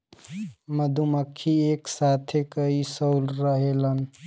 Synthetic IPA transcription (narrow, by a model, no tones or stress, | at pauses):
məd̪ʱuməkʰːieksat̪ʰekəisəwlɾəɦelən